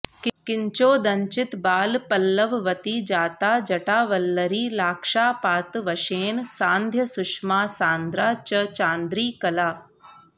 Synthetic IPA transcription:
kkɪɲt͡ʃoːd̪ɐɲt͡ʃɪt̪baːlpɐlːəʋʋɐt̪iːd͡ʒaːt̪aːd͡ʒɐʈaːʋɐlːəɾiːlaːkʃaːpaːt̪ʋɐʃeːnsãːnd̪ʱjɐsʊʃmaːsãːnd̪ɾaːt͡ʃɐt͡ʃãːnd̪ɾiːkɐlaː

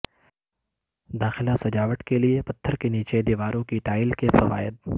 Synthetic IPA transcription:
d̪aːxɪlasɐd͡ʒaːʋəʈkeliepɐt̪ʰːəɾkeniːt͡ʃed̪iːʋaːɾõkiʈaːɪlkefɐʋa̰ːjɪd̪̚

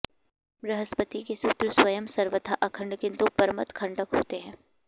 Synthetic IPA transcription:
ɾɐɦəspət̪ikesut̪ɾəswɐjəmsɐɾʋət̪ʰaʔɐkʰə̃ɳɖkɪ̃nt̪upəɾmət̪kʰɐ̃ɳɖəkɦoːt̪eɦɛ̃ː

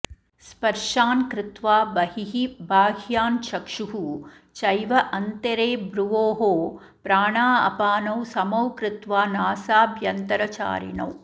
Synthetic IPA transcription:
spɐɾʂaːnkɾɪt̪ʋaːbɐɦiɦibʱaːɡʱjaːnʃɐkʂuɦu | t͡ʃɐjʋɐʔɐnt̪ɐɾeːbɾuʋoːɦoː | pɾaːɳaːɐ̰paːnɐwsɐmɐwkɾɪt̪ʋaːnaːsaːbʱjɐnt̪ɐɾɐt͡ʃa̰ːɾḭnɐ̰w

